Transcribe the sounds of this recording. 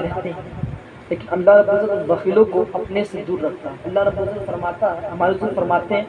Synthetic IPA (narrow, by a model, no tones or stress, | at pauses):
ɾɛɦt̪eɦɛ̃ | leːkɪnɐlːaɦɾɐbɪʊzət̪ʋɐxiːlõkoɐpnesed̪uːɾːɐkʰt̪aɦɛ̃ɐlːaɦɾɐbʊzət̪fɐɾmaːt̪aɦɛmaːjʊzənfɐɾmaːt̪eɦɛ̃